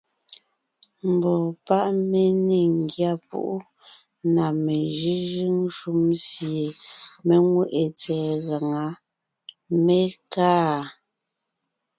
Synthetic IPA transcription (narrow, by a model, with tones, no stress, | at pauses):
m̩˨bɔ˨pa˦ʔme˦˨ne˨ŋ̩˨ɡja˦˨pṵ˦ʔu˦ | na˨me˨ʒi˦ʒi˦ŋ˦ʃu˦msje˨me˦ŋwe˦ʔe˨t͡sɛː˨ɣa˨ŋa˨˦ | me˦kaː˦˨